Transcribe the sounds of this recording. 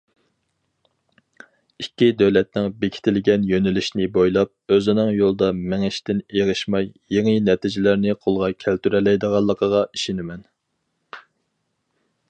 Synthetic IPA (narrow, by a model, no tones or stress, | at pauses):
ikʲːid̪øwlɛt̪̚nɪŋbekʲʰi̥t̪ʰɪlɡʲɛnjønɪlɪʃnɪbojlˠɑp̚øzɪnɪŋjolˠd̪ɑmɪŋɪʃt̪ɪneʁəʃmɑjːeŋɨnɛt̪ʰid͡ʒɪlæɾnɪqʰolˠʁɑkʲʰælt̪yɾɛlɛjd̪əʁɑlˠːəqʰəʁɑiʃinɪmɛn